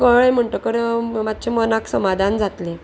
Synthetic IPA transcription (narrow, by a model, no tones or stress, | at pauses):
kəɭem̤əɳʈəkəɾmat̪̚ːt͡ɕʰemənaksəmad̪ʱand͡zat̪le